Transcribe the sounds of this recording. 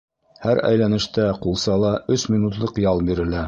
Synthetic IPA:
hæɾæ̰jlænɘ̆ʃt̪æqulˠsɑlˠɑɵsmʲinut̪lˠɤqjɑlˠbiɾɘ̆læ

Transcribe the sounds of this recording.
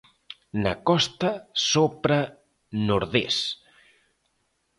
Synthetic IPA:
nəkɔst̪ɐsopɾa | noɾðḛs

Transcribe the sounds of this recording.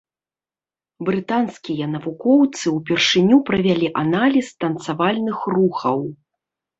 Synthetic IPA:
bɾɨt̪anskʲijɐnɐvukɔwt̪sɨwpʲɛrʂɨnʲupɾɐvʲalʲiʔanalʲist̪ɐnt̪savalʲnɨxruxɐw

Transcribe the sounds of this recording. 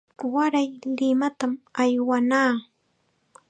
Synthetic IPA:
waɾajlɪmat̪amajwanaː

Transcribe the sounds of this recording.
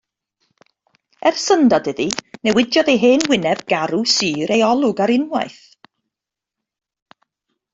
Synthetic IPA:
ɛrsəndɔdəðinɛwɪdjɔðejɦeːnwɪnɛvɡ̥aɾusɨːɾejɔlˠʊɡaɾɪnwa̰jθ

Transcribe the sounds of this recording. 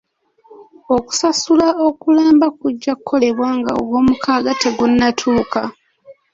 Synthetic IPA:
o̞ku̥sasulao̞kulaːmbakuɟːakukʰːo̞le̞βwaːŋɡa̰o̰ɡwo̞ːmukʰaːɡateɡunːatʰuːka

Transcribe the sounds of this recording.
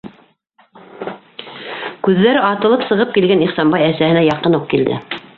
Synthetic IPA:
kʉðːæɾɘɑt̪ɤ̆lˠɤpsɤ̆ʁɤp̚kilɡæniχsɑnbɑjæsæhɘ̆næjɑqɤnuq̚kild̪ɘ̰

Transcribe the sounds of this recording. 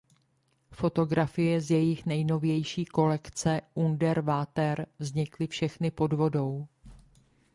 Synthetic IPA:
fo̞t̪o̞ɡɾafɪjɛzjɛjɪxnɛjno̞vjɛjʃiːko̞lɛkt͡sɛʔundɛɾvaːt̪ɛɾvzɲɪklɪfʃɛxnɪpo̞dvo̞do̞w

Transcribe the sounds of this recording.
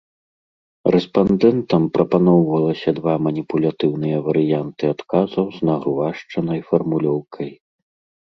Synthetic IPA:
rɛspand̪ɛnt̪ɐmpɾɐpanɔwvɐlˠɐsʲɐd̪vamɐnʲipulʲat̪ɨwnɨjɐvɐɾɨjant̪ɨat̪kazɐwznɐɣɾuvaʂt͡ʂɐnɐjfɐrmulʲɔwkʰɐj

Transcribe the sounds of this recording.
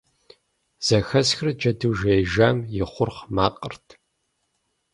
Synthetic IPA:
z̥ɐxɐsxrɨd͡ʒɐduːʒejʒaːmjɪχʷʊrχmaːqʼərtʰ

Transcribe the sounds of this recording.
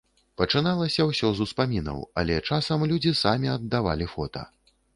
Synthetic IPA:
pɐt͡ʂɨnalˠɐsʲɐwsʲɔzuspamʲinɐ̰wɐ̰lʲɛt͡ʂasɐmlʲud͡zʲisamʲiɐd̪ːava̰lʲifɔt̪ɐ̰

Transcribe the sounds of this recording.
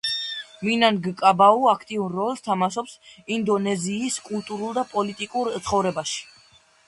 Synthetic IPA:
minanɡkʼabauakʰt̪ʼiunɾɔlˠst̪ʰamaʃɔpsind̪ɔnɛziːskʼulˠt̪ʼuɾulˠd̪apʼɔlit̪ʼikʼuɾt̪sʰχɔvɾɛbaʃi̥

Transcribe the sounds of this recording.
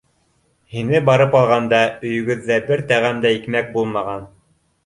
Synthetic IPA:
hinɘbɑɾɤpɑlˠʁɑnd̪ɑɵ̆jɵ̆ɡɵ̆ðːæbɘɾt̪æʁæmd̪æikmæk̚bulˠmɑʁɑn

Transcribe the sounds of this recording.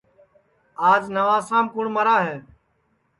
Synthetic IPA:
aːd͡ʒnəʋãːsãːmkʊɳməɾaːɦeː

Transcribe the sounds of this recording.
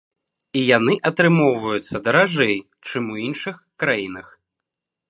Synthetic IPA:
ijanɨʔɐt̪ɾɨmɔwvɐjut̪sːɐd̪ɐɾaʐɛj | t͡ʂɨmuinʂɨxkɾajinɐx

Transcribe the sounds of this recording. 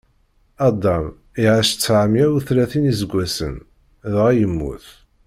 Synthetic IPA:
ɑd̪ˤɑm | iʕaʃt͡sːʕəmjæwuθɾæθinizəɡʷːæsə̰n | ðʁæjəmːṵθ

